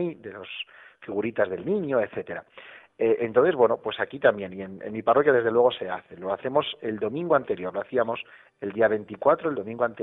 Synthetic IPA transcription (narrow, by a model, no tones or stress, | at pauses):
jðe̞lo̞s | fiɣ̞uɾit̪azðe̞lnĩɲoeθe̞t̪e̞ɾaeʔent̪o̞nθe̞zβwe̞no̞pwe̞sakit̪ambje̞nie̞nḛnmiparo̞kjað̞e̞zðe̞lweɣ̞o̞se̞aθe̞lo̞aθe̞mo̞se̞ld̪o̞mĩŋɡo̞ant̪e̞ɾjo̞ɾlo̞aθiamo̞s | e̞ld̪iaβ̞e̞nt̪ikwat̪ɾoeld̪o̞mĩŋɡoant̪e